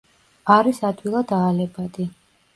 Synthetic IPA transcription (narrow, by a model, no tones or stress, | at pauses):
aɾisad̪wilˠad̪aːlɛbad̪i